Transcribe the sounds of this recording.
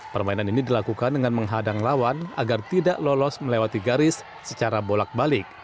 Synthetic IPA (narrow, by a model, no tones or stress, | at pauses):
pərmainaninidilakukandəŋanməŋɦadaŋlawana̰ɡart̪idaʔlɔlɔsməlewat̪iɡaɾɪsː | ət͡ʃaɾabolak̚balɪk̚